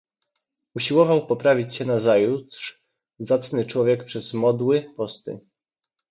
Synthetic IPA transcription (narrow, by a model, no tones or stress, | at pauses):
uɕiwɔvawpɔpɾavʲit͡ɕɕɛnazajut̪ʂ | zat̪snɘt͡ʂwɔvʲjɛkpʂɛz̥mɔd̪wɘpɔst̪ɘ̰